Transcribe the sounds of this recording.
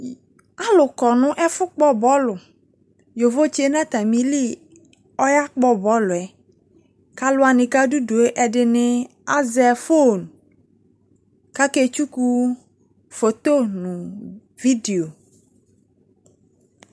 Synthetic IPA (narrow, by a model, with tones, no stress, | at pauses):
a˦lʊ˨kɔ˨nʊ̃˦ʔɛ˦fʊ˦k͡pɔ˦bɔ˦lʊ˨ | jo˨vo˦t͡ʃe˦nã˦t̪a˨mĩ˨li˦˨ | ɔ˦ja˦k͡pɔ˦bɔ˦lʊ˨ɛ˨ | ka˦lʊ˦a˨nɪ̃˨ka˦du˦do˨e˦ʔɛ˨ɖɪ˨nɪ˦ | a˦zɛ˨fo˦˨n˨ | ka˦ke˦t͡ʃu˦ku˦ | fo˨t̪o˦nʊ̃˨ | vi˦de˨o˨